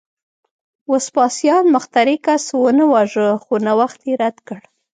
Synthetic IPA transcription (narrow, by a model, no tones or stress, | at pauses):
wospɑsjɑnməxt̪aɾikaswənəwɑʒəxonawaxt̪jeɾad̪kəɽ